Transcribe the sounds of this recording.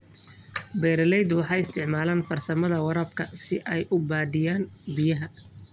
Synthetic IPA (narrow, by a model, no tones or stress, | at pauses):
bɛːɾɪlɛjd̪wɑħɑːjɪst̪ʰɪʕmaːlaːnfɐrsɐmɐðɐwɐɾɐbkʰɐsɪʔɛjʔʊbaːd̪ɪjaːnbɪjɐɦɐ